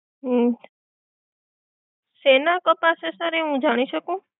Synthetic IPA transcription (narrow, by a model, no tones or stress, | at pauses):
ɦ | senakɔpasesəɾeɦũd͡ʒaɽ̃iʃəkũ